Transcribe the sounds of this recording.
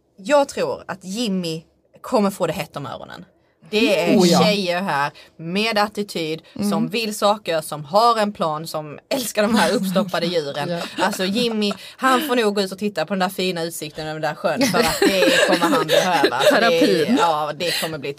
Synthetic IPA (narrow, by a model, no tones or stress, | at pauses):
jɑːɡ̚t̪ʰɾuːɾa̰t̪jɪmːɪ | kʰɔmːəɾfoːd̪ɛɦɛːt̪ːɔmœ̰ːɾɔ̰nə̰n | d̪̥ɛæɾɛɕɛjːəɾɦæːɾmeːd̪at̪ɪt̪ʰyːd̪sɔmvɪlsɑːkəɾsɔmɦaɾɛnpʰlɑːnsɔmɛlskaɖɔmhæːɾɵpːst̪ɔpːad̪əjʉ̟ːɾənalsɔjɪmːɪ | hanfoːɳuːɡoːʉ̟ːt̪ɔt̪ʰɪt̪ːapʰɔd̪ɛnæːɾfiːnaʉ̟ːt̪sɪk̚t̪ənɔɛnæːɾɧœnːfəɾat̪̚d̪ɛkʰɔmːəɾhanbɛhøːva̰ɾːɑːd̪ɛkʰɔmːəɾbliː